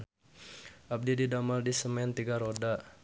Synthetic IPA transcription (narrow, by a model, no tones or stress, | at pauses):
ʔab̚dididamaldisəmɛnt̪iɡaɾoda